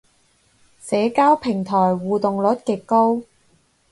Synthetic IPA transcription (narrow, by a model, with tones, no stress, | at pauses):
sɛː˨˧kaː˥wpʰɪ˨˩ŋt̪ʰɔː˨˩jwuː˨t̪ʊ˨ŋlɵ˨˥t̚kɪ˨kːo˥w